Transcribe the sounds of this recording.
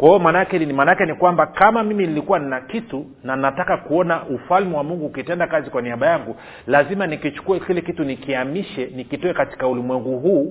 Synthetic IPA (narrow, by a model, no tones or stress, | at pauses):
kwaiɔmanaakɛmanaakɛnikwambakamamiminilikuwaninakitu | naninatakakuɔnaʔufalmiwamuŋɡuːkitɛndakazikwaniaɓajaŋɡu | lazimanikit͡ʃu̥kuakilɛkitunikiamiʃɛnikitɔɛkati̥kaulimwɛŋɡuɦuː